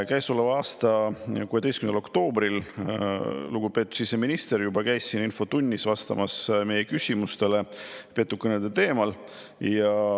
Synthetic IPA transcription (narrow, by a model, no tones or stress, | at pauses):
kæjsolevɑːst̪ɑkuːe̞d̪e̞jstkymnlo̞kt̪o̞ːbɾil | luɡ̥upe̞ːt̪ːˑu̥sise̞minʲist̪e̞ɾjubɑkæjsːininfo̞t̪unʲːisvɑst̪ɑ̰mʔɑsme̞jekysʲimust̪e̞le̞pe̞t̪ːˑukːɤned̪et̪e̞ːmɑl | jɑ